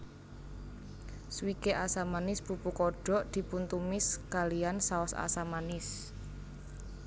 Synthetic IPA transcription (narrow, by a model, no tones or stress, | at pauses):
swikeʔasamanɪsbupukɔɖ̥ɔ̤ʔd̪̥i̤punt̪umɪskalijansaɔsa̰samanɪs